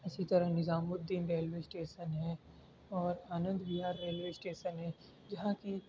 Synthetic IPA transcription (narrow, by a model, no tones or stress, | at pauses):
ɪsit̪ɐɾəɦnɪzaːmʊd̪ːinɾeːlʋeːsʈeːʃənɦɛ̃ | ɔːɾaːnə̃nd̪biɦaːɾːeːlʋeːɪsʈeːʃənɦɛ̃ː | d͡ʒɐɦãki